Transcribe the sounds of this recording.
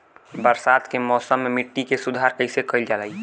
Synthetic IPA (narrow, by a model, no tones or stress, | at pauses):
bəɾsaːt̪kemɔːsəmːemɪʈːikesʊd̪ʱaɾkəɪsekəɪld͡ʒalai